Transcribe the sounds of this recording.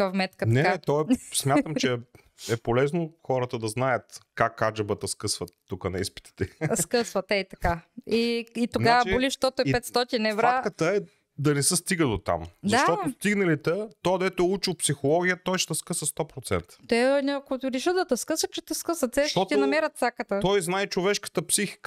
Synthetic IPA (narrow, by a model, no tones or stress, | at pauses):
fmɛt̪kənɛt̪ɔɛsmʲjat̪əmt͡ʃɛ | ɛpolɛznoxɔɾət̪əd̪ɐznajət̪kakːad͡ʒɐbət̪əskɤsvɐt̪ːukənɐispi̥t̪i̥t̪ɛskəsvɐt̪ɛt̪ɐkaiit̪oɡavəboliʃt̪ɔt̪ʊɛpɛt̪st̪ɔt̪inɛvɾakət̪əɛ | d̪ɐnɛsəst̪iɡəd̪ot̪a̰mzd̪aʃt̪ɔtʊst̪iɡnɐlit̪ɛt̪ɔd̪ɛt̪ʊɛut͡ʃiwpsixolˠɔɡʲijət̪ɔjʃt̪ɛskɤsvɐst̪ɔpɾot̪sɛ̰nt̪ə̥t̪ɛnʲakot̪ɾiʃəd̪ɐt̪ɐskɤsət͡ʃɛt̪əskəsvɐt̪sɛʃt̪ɔt̪iɛnɐmɛɾət̪sakət̪ət̪ɔjznaɛt͡ʃovɛʃkə̥t̪əpsixi̥k